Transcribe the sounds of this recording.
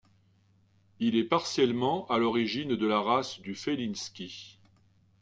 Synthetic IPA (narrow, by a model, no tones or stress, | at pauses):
ilɛpaʁsjɛlmɑ̃alɔʁiʒind̪əlaʁasd̪yfelinskʲi